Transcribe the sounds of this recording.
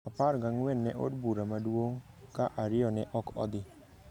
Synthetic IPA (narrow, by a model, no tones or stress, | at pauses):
apaɾɡaŋwɛnːɛʔo̰d̚buɾamadwoŋ | kaʔaɾɪɔnɛʔɔkɔ̰d̪ɪ